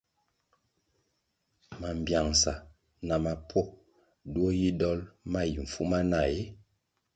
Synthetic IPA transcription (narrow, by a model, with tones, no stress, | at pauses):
ma˨m˨bja˨ŋsa˨ | na˨ma˨pʰɔ˦˨ | dwo˦ji˦dɔ˦lma˦ji˨ɱ̩˨fu˦ma˦na˨je˦